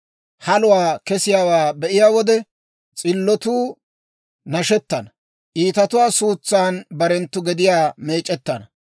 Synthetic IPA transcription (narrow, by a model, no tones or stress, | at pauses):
hɐlʊwaːkɛsɪjaːwaːbɛʔɪjaːwɔd̪ɛ | t͡sʼɪlːɔt̪uː | nɐʃɛt̪ːɐnɐ | ʔiːt̪ɐt̪ʊwaːsuːt͡sːaːnbɐɾɛnt̪ːʊɡɛd̪ɪjaːme̞ːt͡ʃʼːɛt̪ːɐnɐ